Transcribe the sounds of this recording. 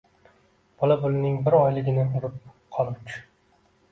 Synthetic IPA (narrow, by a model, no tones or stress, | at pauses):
b̥ʰɒlabʊlɪnɪŋbɪɾɒjlɪɡʲɪnɪʊɾɪp̚ | qʰɒlˠɪpt͡ʃʰʊ̥